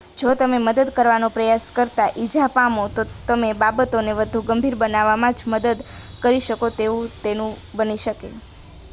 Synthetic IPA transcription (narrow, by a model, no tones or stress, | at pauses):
d͡ʒot̪əmeməd̪əd̪kəɾʋanopɾəjaskəɾt̪aʔid͡ʒapamot̪ot̪əmebabət̪oneʋəd̪ʱuɡəmbʱiɾbənaʋamãd͡ʒməd̪əd̪ | kəɾiʃəkot̪eũt̪enũbəniʃəkḛ